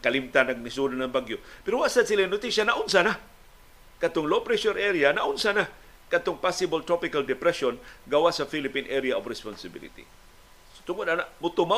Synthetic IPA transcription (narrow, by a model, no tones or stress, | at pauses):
kalimt̪anaɡ̚nisunanaŋbaɡjopɛɾowaʔsasilanʊt̪isjanaʔʊnsana | kat̪ʊŋlopɾɛsʊɾʔɛɾianaʔʊnsana | kat̪ʊŋpasɪbolt̪ɾopɪkald̪ɪpɾɛʃonɡawasafilɪpinʔɛɾiaʔobɾɛsponsɪbḭlḭt̪ḭ | st̪ʊŋod̪̚anaʔmʊt̪ʊma